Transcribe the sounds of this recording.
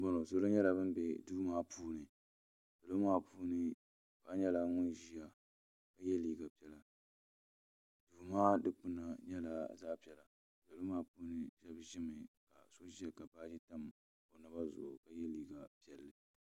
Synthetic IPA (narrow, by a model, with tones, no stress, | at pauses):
bɔ˦no˨so˦lo˦ɲɛ˦la˨bɨ˦m˦bɛ˨duː˦maː˦pʰuː˦nɨ˨ | sa˨lo˦maː˦puː˦nɨ˦ | ba˦ɲɛ˦la˦ŋʊ˦nʒi˦ja˨ | ka˦jɛ˦liː˨ɡa˨pi˦ɛ˦la˨ | duː˨maː˦dɨ˦k͡pɨ˦na˨ɲɛ˦la˨zaː˦pɛ˨la˨ | bo˨lo˦maː˦puː˦nɨ˨ʒɛ˦bʒɪ˦mɨ˨ka˨so˦ʒi˦a˨ka˨baː˦d͡ʒi˦ta˦m | o˨nɨ˦ba˦zʊ̰˨o̰˨ka˨jɛ˦liː˨ɡa˨pi˦ɛ˨lːɨ˦